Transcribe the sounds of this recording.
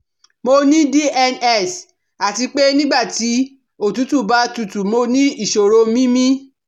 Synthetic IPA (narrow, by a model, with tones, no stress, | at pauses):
mo˧nĩ˦di˦ʔɛ˧nɛ˦˨s | a˨ti˧k͡pe˦nĩ˦ɡ͡ba˦˨ti˨˦ | o˦˨tu˨˦tu˦˨ba˦tu˨˧tu˨mo˧nĩ˦i˦˨ʃo˨ɾo˧˦mĩ˦mĩ˦